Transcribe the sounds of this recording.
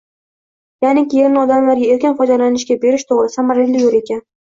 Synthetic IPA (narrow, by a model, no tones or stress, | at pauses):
janɪkʲijeɾnɪɒd̪amlaɾɡʲae̞ɾkʲɪnfɒjd̪alanɪʃɡʲabe̞ɾɪʃt̪ʰoʁɾɪsɪamaɾlɪlɪjoɾe̞kʲan